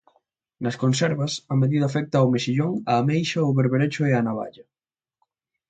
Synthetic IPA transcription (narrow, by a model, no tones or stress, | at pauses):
nɐskonsɛɾβɐsɐmeðiðɐafɛk̚t̪ɐwmesiʎoŋamejʃɐʊβeɾβeɾet͡ʃʊeanaβa̰ʎɐ